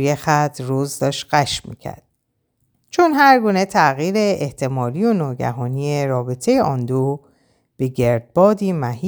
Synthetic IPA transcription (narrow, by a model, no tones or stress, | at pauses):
jexæt̪ʰrozd̪ɒːʃt̪ɢæʃmḭːcʰæ̰ɾd̪̥̚ | t͡ʃʰonɦæɾɡuːne̞t̪ʰæɣiːɾe̞eht̪ʰe̞mɒːlijonɒːɟæ̰ɦɒːniːjeɾɒːbe̞t̪ʰe̞jeʔɒnd̪o | b̥e̞ɟe̞ɾd̪̥̚bɒːd̪iːmæhi